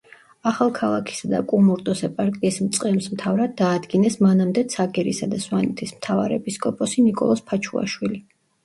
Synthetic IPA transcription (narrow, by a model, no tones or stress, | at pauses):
aχalˠkʰalˠakʰi̥sad̪a̰kʼumuɾt̪ʼɔsɛpʼaɾkʼiismt̪sʼqʼɛmsmt̪ʰavɾad̪ːaːd̪ɡinɛsmanamd̪ɛt̪sʰaɡɛɾisad̪aswanɛt̪ʰismt̪ʰava̰ɾɛɛpʼiskʼɔpʼɔsinikʼɔ̰lˠɔspʰat͡ʃʰua̰ʃwili